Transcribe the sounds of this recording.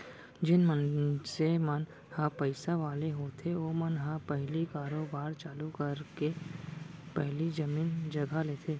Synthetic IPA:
d͡ʒɪnmənsemən | hãpəɪsaʋaːleɦoːt̪ʰeoːmənɦãpɛɦlikaːɾoːbaːɾt͡ʃaːlukəɾke | pɛɦlid͡ʒɐmiːnd͡ʒɐɡʱaleːt̪ʰeː

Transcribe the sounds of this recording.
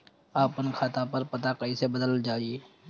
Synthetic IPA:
aːpənkʰaːt̪apɐɾpɐt̪akɐisebəd̪əld͡ʒaːieː

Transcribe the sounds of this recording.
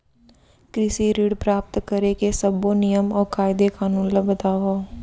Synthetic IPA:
kɾɪsiɾiːɽpɾaːp̚t̪kəɾekesəbonijəmɔːɾkaːɪd̪ekaːnuːnləbət̪aːʋoː

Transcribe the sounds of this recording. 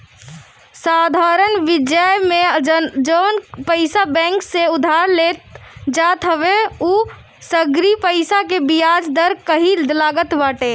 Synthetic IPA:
sad̪ʱaɾənʋid͡ʒəjmed͡ʒənpəɪsabɛ̃ŋkseud̪ʱaɾlet̪̚d͡ʒat̪ɦəbeu | səɡɾipəɪsakebijad͡ʒd̪əɾkəɦillaɡət̪baʈe

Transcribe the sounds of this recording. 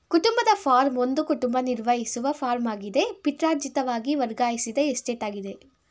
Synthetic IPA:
kuʈumbɐd̪ɐfʰaːɾmond̪ukuʈumbɐniɾʋɐjisuʋɐfʰaːɾmaːɡid̪e̞piʈɾaːɾd͡ʒit̪ɐʋaːɡiʋɐɾɡaːjisid̪ɐesʈeːʈaːɡid̪e̞

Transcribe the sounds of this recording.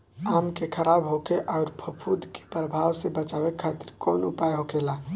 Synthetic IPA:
amkekʰəɾabɦokeʔaʊɾpʰəpʰud̪ʱke̥pɾəbʱawsebət͡ʃabɛkʰːat̪ɪɾkonupajɦokela

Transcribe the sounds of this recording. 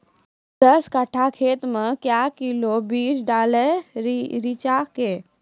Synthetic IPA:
d̪ɐskəʈʰakʰeːt̪mẽkjaːkilobiːt͡ʃɖaːleɾɾit͡ʃakeː

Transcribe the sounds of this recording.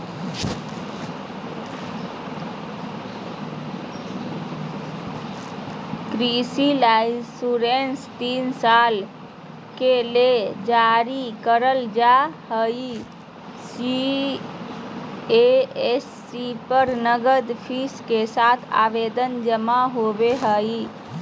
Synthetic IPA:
kɾisilaisuɾenst̪insal | keled͡ʒaɾikəɾəld͡ʒahəj | si | eesːipəɾnəɡəd̪pʰiskesat̪ʰa̰bed̪ənd͡ʒəmaɦobeɦəi

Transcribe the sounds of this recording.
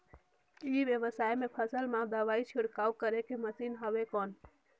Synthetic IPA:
iʋjeʋəsajmẽpʰəsəlmãd̪əʋait͡ʃʰuɽkawkəɾekeməsinɦəʋekɔːn

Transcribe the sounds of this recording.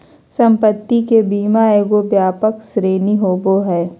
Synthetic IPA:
sɐ̃mpət̪ːikebiːmaeɡobjaːpəksɾeːniɦoːboɦɛː

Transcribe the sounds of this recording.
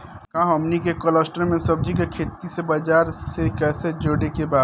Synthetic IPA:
kãːɦɔːmnikekolɔːsʈəɾmẽsɐb̚d͡ʒikekʰeːt̪isebad͡ʒaːɾsekɛːsed͡ʒoːɽekebaːd̪

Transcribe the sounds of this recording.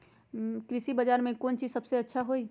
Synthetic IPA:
kɾɪsibəd͡ʒaːɾmẽkoːnt͡ʃiːzsɐbseɐtːʃʰaɦoi

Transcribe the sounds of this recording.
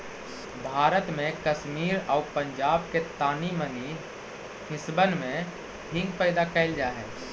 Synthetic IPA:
bʱaːɾət̪mẽkəʃmiːɾɔːpə̃ɲd͡ʒaːbket̪aːniməni | ɦɪsbənmẽ | ɦɪ̃ŋɡ̚pɛːd̪akɛːld͡ʒaːɦɛ̰ː

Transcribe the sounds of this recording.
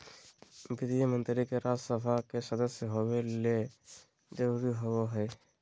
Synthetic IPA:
ɡɪd̪iemənt̪ɾikeɾad͡ʒsəpʰakesəd̪əsjəɦobele | d͡ʒəɾuɾiɦowoɦəj

